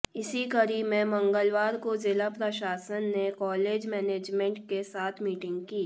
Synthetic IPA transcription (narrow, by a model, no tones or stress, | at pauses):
ɪsikəɾiːmẽmɐ̃ŋɡəlʋaːɾkozɪlapɾəʃaːsənːekɔːleːd͡ʒmɛːneːd͡ʒmẽɳʈ̚kesaːt̪ʰmiːʈɪ̃ŋɡkiː